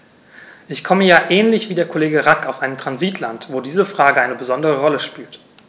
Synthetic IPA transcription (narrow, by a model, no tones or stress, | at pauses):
ʔɪçkʰɔməjaːʔɛːnlɪçv̥iːdeːɐkʰoleːɡəʁakaʊsʔaɪnəmtʁ̥anziːtʰla̰ntv̥oːdiːzəfʁ̥aːɡəʔaɪnəbəzɔndəʁəʁɔləʃpiːlt